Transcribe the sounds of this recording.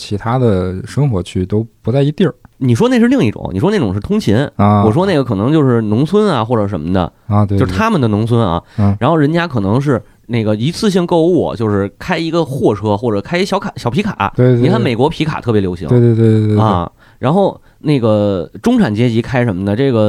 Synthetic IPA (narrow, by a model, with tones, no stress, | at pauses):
t͡ɕʰi˧˥t̪ʰa˥d̪ə˨˩ʂɤ˥ŋxwɔ˧˥t͡ɕʰy˥˩t̪o˥ʊpu˧˥t͡sa˥˩ɪi˧˥t̪jni˨˩ʂ̬wɔ˥ne˥˧ɪʂ̬ɻ̩˥˧li˥˧ŋi˥˩ʈ͡ʂʊ̰˨˩˦ŋnḭ˨˩ʂwɔ˥ne˥˩ʈ͡ʂʊ˨˩ŋʂɻ̩˥˩t̪ʰʊ˥ŋt͡ɕʰi˧˥n˧wɔ˨˩ʂwɔ˥ne˥˩ɡə˩kʰɤ˨˩nɤ˧˥ŋt͡ɕjo˥˧ʊʂɻ̩˥˩nʊ˧˥ŋt͡sʰwə˥nɐ˨xwɔ˥˩ʈ͡ʂɤ˨˩ʂə˧˥nmə˧˩d̪ə̰˨˩˧t̪wo˧ʊɻ̩˥˧t̪ʰa˥mə˨nd̪ə˩nʊ˧˥ŋt͡sʰwə˥nɐ̰˧a˧˥nxo˥˩ʊɻə˧˥nt͡ɕja˥kʰɤ˨˩nɤ˧˥ŋʂ̬ɻ̩˥˧ | ne˥˩ɪɡə˩i˧˥t͡sʰɹ̩˥˧ɕ̬i˥˧ŋko˥˧ʊṵ˥˩t͡ɕjo˥˧ʊʂɻ̩˥˩kʰa˥ɪi˧˥ɡə˧xwɔ˥˩ʈ͡ʂʰɤ˥xwɔ˥˩ʈ͡ʂɤ˨˩kʰa˥ɪi˧˥ɕjɑ˧˥ʊkʰa˨˩ɕjɑ˨˩ʊpʰi˧˥kʰa̰˨˩˦we˥˧ɪtkʰa˥˧˩nme˨˩ɪkwɔ˧˥pʰi˧˥kʰa̰˨˩t̪ʰɤ˥˩pjjo˧˥ʊɕḭ˧˥ŋe˥˧t̪we˥˧t̪we˥˧˥ɐ̰˧ | ɻa˧˥nxo˥˧ʊ | ne˥˩ɪɡə˩ʈ͡ʂʊ˥ŋʈ͡ʂʰa˨˩nt͡ɕjɛ˥t͡ɕi˧˥kʰa˥ɪʂə˧˥nmə˧d̪ə˩ʈ͡ʂɤ˥˩ɡə˩